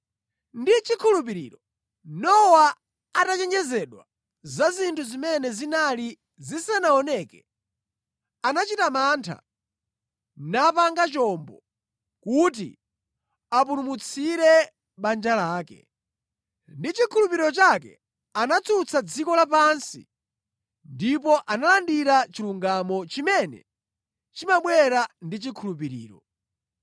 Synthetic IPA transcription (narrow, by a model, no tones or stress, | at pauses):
ndit͡ʃikʰulup̬iɾḭːɾɔ | nɔwa | atat͡ʃɛnd͡ʒɛzɛɗwa | zazintʰuzimɛnɛzinali | zisanaɔnɛkɛ | anat͡ʃitamaːntʰa̰ | napaŋɡat͡ʃɔmbɔ | kut̬ḭ | apuɾumut͡sʰiɾɛ | ɓand͡ʒalaːkɛ̰ | ndit͡ʃikʰulupiɾiɾɔt͡ʃakɛ̰ | anat͡sʰut͡sʰad͡zikɔlapansḭ | ndipɔʔanalandiɾat͡ʃiluŋɡamɔt͡ʃimɛnɛ̰ | t͡ʃimaɓwɛɾandit͡ʃikʰulupiɾḭːɾɔ